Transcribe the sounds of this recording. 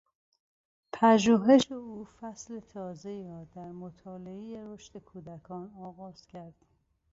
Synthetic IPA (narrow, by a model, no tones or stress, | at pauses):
pʰæʒuːɦe̞ʃeuːfæslet̪ʰɒːzeiːɾɒːd̪æɾmot̪ʰɒːleejeɾo̞ʃt̪e̞kʰuːd̪ækʰɒːnɒːɣɒːz̥cʰæɾd̪̥